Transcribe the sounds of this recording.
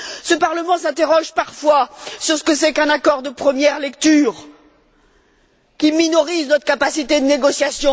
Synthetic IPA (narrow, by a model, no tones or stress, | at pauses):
səpaʁləmɑ̃sɛ̃t̪eʁɔʒpaʁfwasyʁsə̥kəsɛkɛ̃nakɔʁd̪əpχəmjɛʁlɛkt̪yːʁ | kʲiminɔʁiznɔt̪χəkapasit̪ed̪əneɡɔsjasjɔ̃